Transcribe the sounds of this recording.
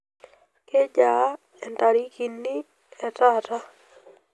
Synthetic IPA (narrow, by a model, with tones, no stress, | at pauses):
ke˦d͡ʒa˨˦ | ɛ˨nta˨ɾi˦ki˨nːi˦ | ɛ˨ta˦ta˦